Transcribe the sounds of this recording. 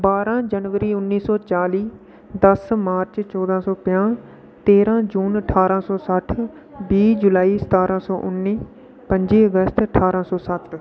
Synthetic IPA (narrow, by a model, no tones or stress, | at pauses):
baːɾãːd͡ʒənʋəɾiːʊnːiːsɔːt͡ʃaːliː | d̪əsmaːɾt͡ʃt͡ʃɔːd̪ãːsɔːpɪjãː | t̪eːɾãːd͡ʒuːnəʈʰaːɾãːsɔːsəʈʰ | biːd͡ʒʊlaːiːsə̥t̪aːɾãːsɔːʔʊnːiː | pə̃ɲd͡ʒiːəɡəst̪əʈʰaːɾãːsɔːsət̪